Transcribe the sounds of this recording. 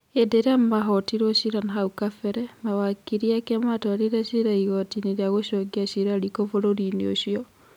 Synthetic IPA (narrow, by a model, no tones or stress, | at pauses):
edeɾamaɦɔtiɾɔʃiɾanaɦaukafɛɾɛmawakiɾiakamatɔaɾeɾaʃiɾaiɣɔtineɾeaɣoʃɔɡiaʃiɾaɾikovoɾoɾinioʃiɔ